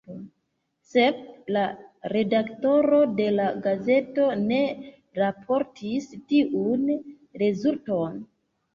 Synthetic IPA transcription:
se̞b̚laɾe̞dakto̞ɾo̞de̞laɡaze̞to̞ne̞ | ɾapʰo̞ɾtʰistiʔun | ɾe̞zulto̞n

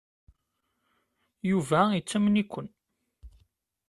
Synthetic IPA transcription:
juvæit͡sːæmnikʷːən

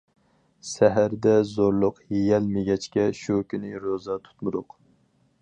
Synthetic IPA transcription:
sɛɦæɾd̪ɛzoɾlˠʊqjejɛlmeɡʲɛt͡ʃkʲɛʃukʲʰynɪɾozɑt̪ʰu̥t̪muɾʊq

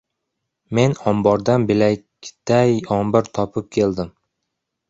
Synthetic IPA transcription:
me̞nɒmbɒɾd̪anbɪlajʲ | d̪̥ajɒmbɪɾt̪ʰɒpʰɪp̚kʲʰe̞ld̪ɪm

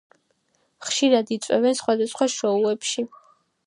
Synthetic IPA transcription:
χʃiɾad̪it̪sʼwɛ̰vɛnsχwad̪asχwaʃɔuɛpʃi

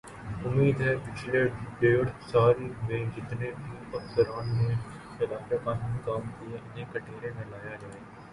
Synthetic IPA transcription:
ʊmːiːd̪ɦɛpɪt͡ʃleeːɽsaːɾiʋẽd͡ʒɪt̪nebʱiːɐksəɾaːnmẽ | pɐlaːd͡ʒekaːɦɪnkaːmkiẽʔɪnẽkɐʈʰeːɾẽmẽlaːjad͡ʒaːeːɡ

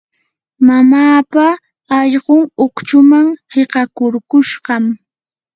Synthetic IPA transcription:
mamaːpa | ɑʎɢʊŋʊkt͡ʃʊmaŋheɢɑkʊɾkʊʃɢɑm

